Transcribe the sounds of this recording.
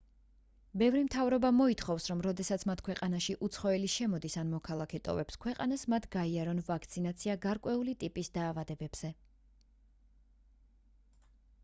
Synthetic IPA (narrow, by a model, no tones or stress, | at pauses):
bɛvɾimt̪ʰavɾɔbamɔit̪ʰχɔvsɾɔmɾɔd̪ɛsat̪sʰmat̪ʰkʰwɛqʼanaʃiʔut̪sʰχɔɛliʃɛmɔd̪isanmɔkʰalˠakʰɛt̪ʼɔ̰vɛpskʰwɛqʼa̰nasmat̪ʰɡaiaɾɔnvakʰt̪sʰinat̪sʰiaɡaɾkʼwɛulit̪ʼipʼisd̪aːvad̪ɛbɛbz̥ɛ